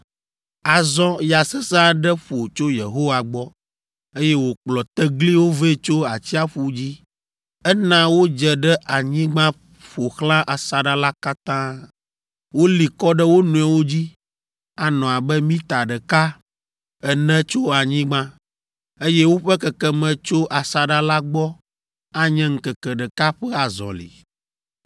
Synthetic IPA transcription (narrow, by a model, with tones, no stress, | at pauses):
a˨zɔ̃˦ja˨sɛ˦sa˦ɖɛ˦ɸo˨t͡ʃo˦je˨ɦo˦wa˨ɡ͡bɔ˦ | e˦jɛ˦wo˨k͡plɔ˨t̪ɛ˦ɡli˦wo˦ve˦˨t͡ʃo˦a˨t͡ɕi˦a˦ɸu˨d͡ʑi˦ | ɛ˦nã˦wo˦d͡ʒɛ˨ɖɛ˦ʔa˨ɲĩ˦ɡ͡bã˦ | ɸo˨xlã˦ʔa˨sa˨ɖa˦la˦ka˦t̪ã˦ | wo˦li˨kɔ˦ɖɛ˦wo˦nũ˨ɛ˨wo˦d͡ʑi˦ | a˨nɔ̃˨a˨bɛ˦mĩ˦t̪a˨ɖɛ˨ka˦ | ɛ˨nɛ̃˦t͡ʃo˦a˨ɲĩ˦ɡ͡bã˦ | e˦jɛ˦wo˦ɸɛ˦kɛ˨kɛ˦mɛ̃˨t͡ʃo˦ʔa˨sa˨ɖa˦la˦ɡ͡bɔ˦ | a˨ɲɛ̃˦ŋ̩˨kɛ˨kɛ˨ɖɛ˨ka˦ɸɛ˦a˨zɔ̰̃˨lḭ˨